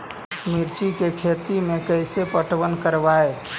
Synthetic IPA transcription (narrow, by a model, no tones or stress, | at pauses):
miɾt͡ʃikekʰet̪imekəjsepəʈʋənkəɾbae